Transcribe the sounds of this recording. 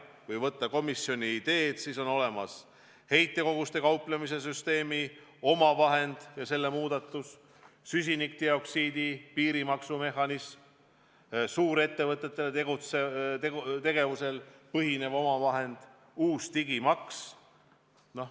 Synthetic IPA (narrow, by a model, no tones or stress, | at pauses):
kujvɤt̪ːɑko̞misjo̞nʲiːd̪̥e̞ːd̪̥siso̞no̞le̞mɑs | he̞jt̪ːˑe̞ko̞ɡust̪e̞kɑwplemis̬e̞s̬yst̪e̞ːmio̞mɑvɑɦe̞nd̪̥jɑse̞lːe̞muːd̪̥ɑt̪ːˑus | sys̬ʲinik̚t̪eo̞ksiːd̪̥ipiːɾimɑksume̞ɦɑnism | suːɾe̞t̪ːe̞vɤt̪ːˑe̞t̪ːelet̪eɡut̪set̪et̪e̞ɡe̞vuse̞lpɤɦine̞vo̞mɑvɑɦe̞nd̪̥ | uːst̪iɡimɑks | no̞h